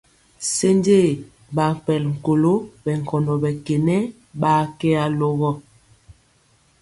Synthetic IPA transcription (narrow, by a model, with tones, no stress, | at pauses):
se˦nde˦˨ | ba˨pɛ˨lŋ̩˨ko˨lo˦bɛ˨ŋ̩˨kɔ˨ndɔ˨bɛ˨ke˨nɛ˦ | ɓa˨˦kɛ˦a˨lɔ˦ɣɔ˦